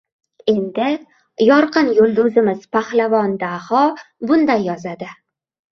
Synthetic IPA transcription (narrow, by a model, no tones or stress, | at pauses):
e̞nd̪ɪ | jɒɾqʰɨnjolˠd̪ʊzɪmɪz̥pʰahlavɒnd̪ahɒbʊnd̪ajːɒzad̪ɪ